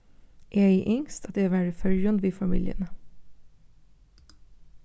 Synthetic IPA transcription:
ʔeːeɪʔʏŋst̪ɑt̪̚d̪eːʋæɖɪfœljɑnd̪ʋiːfɑmḭːljə̰nə

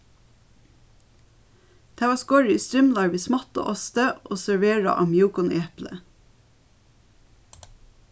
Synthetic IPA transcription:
d̪̥æːʋɑːskɔɹst̪ɹʏmlɑːʋiːsmɑt̪o̰ʔɔst̪əʔoːsæɹʋeːɹɑ̰ʔɑmjuːkʊnʔeːplə̰

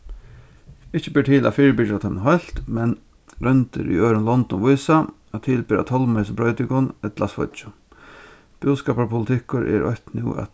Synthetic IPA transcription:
ɪt͡ʃəbiːʈ̪ʰiːla̰fiːɹbɪt͡ʃɾat̪ʰɛmnɦɔjl̥t̪mɛn | ɾœnt̪ə̰ɾʏ̰øːɾənlɔnt̪ɔnʋʊjsa | ɔt̪ʰɪlbɪːɾa̰t̪ʰɔlmɛɪsəpɾœʏt̪ɪkʊnɛt̪lasfɔ̰t͡ʃʊ | b̥uːskɑːpapʰʊlɪt̪ʰɪkʊɾɛ̰ɾʔɔ̰ht̪nɪ̰ːa̰t̪

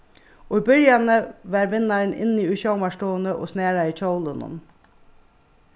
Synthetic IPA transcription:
ʔoːiːbœɾjɑnəʋæːɾʋɪnɑɾnʔɪ̰niːʉːçɑʊmɑʃʈoːənəʔo̰ːsneːɾɑiːt͡ʃʰoʊlənə̰n

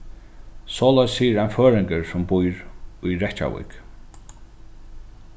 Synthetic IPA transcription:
sɔːlajsiːɾanføːɾɪŋkəɹsɔmbujɹujɾɛht͡ʃa̰wḭk

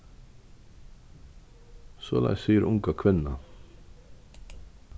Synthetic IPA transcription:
soːlæ̰ɪssiːəɾʔʊŋkɑkʰʋɪnnɑ

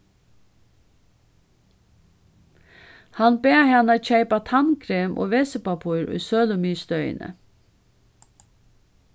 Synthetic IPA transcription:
hanbeːhanac͡çeɪpat̪ʰankʰɾeːmʔo̰ːʋeːsəpapʰuɾʊ̰jsøːlʊmiːst̪œʏə̰nə̰

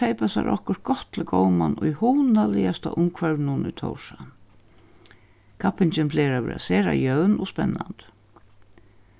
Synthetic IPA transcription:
ejpasaɾʔɔhkʊɾt̪̚ɡɔt̪ːʰɪlkowmanʊjhuwnalɪast̪aʔʊmkʰvœɾnʊnʊjt̪ʰɔ̰wʂa | kʰapɪnt͡ʃɪnpʰlɛːɾavɪ̰ɾa̰sɛːɾa̰jœwnɔspɛnːant̪

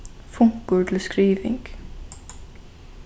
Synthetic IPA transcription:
fuŋ̥kʊɾt̪ʰɪlskɾiːvɪ̰ŋk

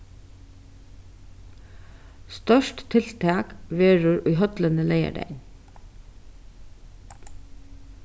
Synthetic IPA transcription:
st̪œʃʈt̪ʰɪlt̪ʰɑːkʋeːɹʊɹʉːhœd̪lənəleɪə̰ɖæ̰ɪn

